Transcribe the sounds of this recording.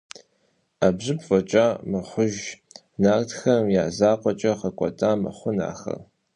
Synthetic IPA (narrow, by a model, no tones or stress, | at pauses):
abʑɨpʰfʼɐt͡ʃʼamɨχʷʊʒ | naːrtʰxɐmjaːzaːqʷʼɔt͡ʃʼɐχɐkʷʼɔ̰tʰʼaːmɐ̰χʷʊna̰ːxɐ̰r